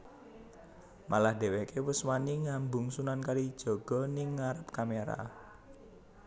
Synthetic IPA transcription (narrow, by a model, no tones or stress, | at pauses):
mʔalahd̪̥ɛ̤wekewʊswaniŋambʊŋsunankaɾid̥ʒ̥ɔ̤ɡ̥ɔ̤nɪŋːaɾəp̚kameɾa̰